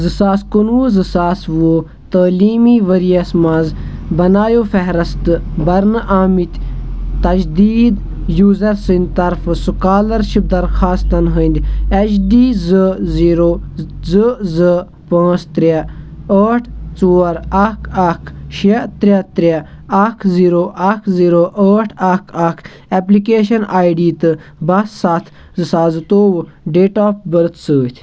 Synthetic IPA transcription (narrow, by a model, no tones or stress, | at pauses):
zɨsaːskunʋuzɨsaːsʋuo | t̪əːliːmiʋəɾijɐsmãːzbɐnaːjoːfɛɦɾɐst̪ɨbɐɾnʔaːmit̪ʲt̪ɐd͡ʒd̪iːd̪ | juːzɐɾsɨnd̪ʲt̪ɐɾfɨsukaːlɐɾʃib̚d̪ɐɾxaːst̪ɐnɦənʲd̪ʲɐt͡ʃdiːzɨziːɾoːzɨzə | pãːst̪ɾʲeəːʈʰt͡soːɐɾɐkʰɐkʰʃet̪ɾʲet̪ɾʲe | ɐkʰziːɾoːʔɐkʰziːɾoːʔəːʈʰakʰɐkʰ | ɛplikeːʃɐnaːjɖiːt̪ɨ | bɐssat̪ʰ | zɨsaːzɨt̪oːw | ɖeːʈaːp̚bəɾt̪ʰsəːt̪ʰʲ